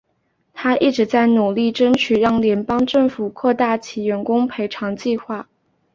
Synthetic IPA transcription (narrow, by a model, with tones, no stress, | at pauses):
t̪ʰa˥i˥˩ʈ͡ʂɻ̩˧˥t͡sa˥˩ɪnu˨˩li˥˩ʈ͡ʂə˥nt͡ɕʰy˨˩ɻɑ˥˩ŋljɛ˧˥npɑ˥ŋʈ͡ʂɤ˥˩ŋfu˨˩kʰwɔ˥˧t̪a˥˩t͡ɕʰi˨˧˩ɥɛ˧˥nkʊ˥ŋpʰe˧˥ɪʈ͡ʂʰɑ˧˥ŋt͡ɕi˥˧xwa˥˩